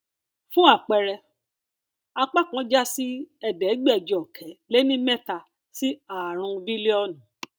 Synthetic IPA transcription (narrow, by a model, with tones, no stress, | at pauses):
fũ˦a˦˨k͡pɛ˧ɾɛ˧ | a˧k͡pa˦˨kã˨˦d͡ʒa˦si˦ɛ˨dɛ˨˦ɡ͡bɛ˦˨d͡ʒɔ˨ɔ˨kʰɛ˨˦le˦nĩ˦mɛ̃˦˨ta˧ | si˦a˨ɾ̃ũ˧bi˦li˦ɔ˦˨nũ˨˦